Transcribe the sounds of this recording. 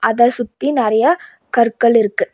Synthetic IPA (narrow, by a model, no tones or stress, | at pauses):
ʔɐðɐsʊt̪ːinɪɾɐjɐ | kɐɾkːɐɭɪɾɯkːɯ